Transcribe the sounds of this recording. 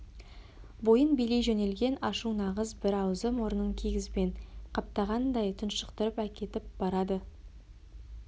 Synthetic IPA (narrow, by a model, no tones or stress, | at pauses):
bo̞jənbele̞jʒɵne̞lɡʲe̞nɑʃunɑʁəzbɪɾɑwzəmwo̞ɾənəŋkʲʰeɡʲɪzbe̞ɴqʰɑp̚t̪ɑʁɑnd̪ɑjt̪ʰʊnʃəqt̪əɾəpækʲe̞t̪ɪp̚b̥ɑɾɑd̪ə